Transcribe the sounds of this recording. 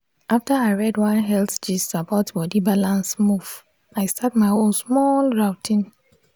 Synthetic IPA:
ʔaftaaɪɹɛdwãnɦɛltd͡ʒissapɔtbɔdibalãnsmuv̥ | aɪstakmaɪõnsmɔlɹawtʰĩn

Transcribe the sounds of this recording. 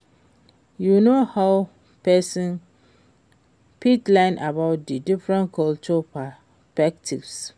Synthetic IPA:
junohaʊ | pʰɛsĩn | pʰitlãɪ̃nʔabaʊt̚didifɹɛ̃nkʰɔlt͡ʃɔpʰa | sspɛktʰḭvs

